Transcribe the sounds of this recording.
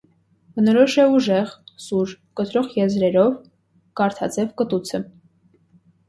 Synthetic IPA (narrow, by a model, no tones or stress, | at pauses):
bənɔɾɔʃɛuʒɛʁsuɾ | kət̪ɾɔʁjɛzɾɛɾɔv | kɑɾt̪ʰɑt͡sɛvkət̪ut͡sʰə